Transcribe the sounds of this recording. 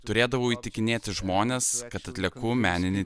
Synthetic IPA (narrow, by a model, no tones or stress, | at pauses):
t̪ʊɾʲeːd̪ɐʋoːiːt̪ʲɪkʲɪnʲeːt̪ʲɪʒmoːnʲeːskɐt̪ɐt̪ʲlʲɛːkumʲæːnʲɪnʲɪ